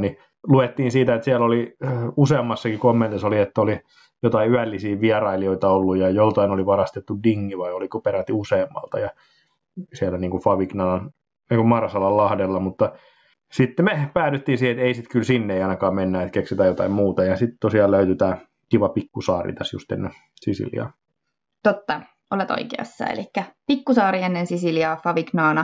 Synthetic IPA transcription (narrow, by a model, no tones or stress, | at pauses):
ni | luet̪ːiːnsiːt̪æet̪siæloliuseːmːɑsːɑkikomːent̪isoliet̪ːæoli | jot̪ɑiyælːisiːʋiɑrɑilioit̪ɑolːujjɑjout̪ɑinoliʋɑrɑst̪et̪ːudiŋːiʋɑiolikupeɾæt̪ːiuseːmːɑ̰lt̪ɑjɑ | siælːæniːŋkufɑʋiknɑlɑn | niːŋkumɑrɑsɑlɑllɑhdelːɑmut̪ːɑ | sit̪ːemepæːt̪yt̪ːiːnsiːhet̪eisit̪kylsinːeeiɑˑinɑkɑːmmenːæːet̪kekset̪æjot̪ɑimmuːt̪ɑjɑsit̪t̪osiɑːløyt̪yt̪æː | kiʋɑpikːusɑːrḭt̪æsjṵst̪ḛnːe | sisḭljɑ̰ː | t̪ot̪ːɑ | ʔolet̪o̰ikḛɑ̰sːɑ̰ḛlikːæpikːusɑːɾienːensisiljɑːfɑʋiknɑːnɑ